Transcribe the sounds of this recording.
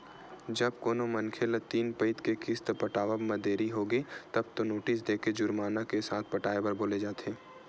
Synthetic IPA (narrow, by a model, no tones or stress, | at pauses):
d͡ʒɐb̚koːnomɐnkʰelət̪iːnpɐɪt̪kekɪst̪pɐʈaːʋəbmɐd̪eːɾiɦoɡit̪ɐbt̪onoːʈɪs̬d̪eːked͡ʒʊɾmaːnakesaːt̪̚ʰpɐʈaːepɐɾboːled͡ʒaːt̪eː